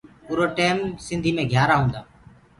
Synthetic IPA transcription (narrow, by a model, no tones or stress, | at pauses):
puːɾoːʈeːmsɪ̃nd̪ʱiːmẽːɡʱjaːɾaːɦũːnd̪aː